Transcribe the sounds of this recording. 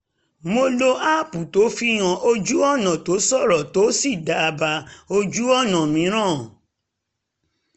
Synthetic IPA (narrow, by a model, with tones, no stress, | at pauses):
mo˧lo˧a˦˨pu˨to˨˦fi˦j̃ã˧ʔo˧d͡ʒu˦ɔ˦˨nã˨to˨˦sɔ˦˨ɾɔ˨to˨˦si˦˨da˨˦˧ba˧o˧d͡ʒu˦ɔ˦˨nã˨mĩ˨˦ɾ̃ã˦˨